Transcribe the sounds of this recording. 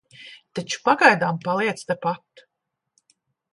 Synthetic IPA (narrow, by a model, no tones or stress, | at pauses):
t̪at͡ʃu̥paɡajd̪aːmpalˠiɛt̪st̪ɛpat̪ː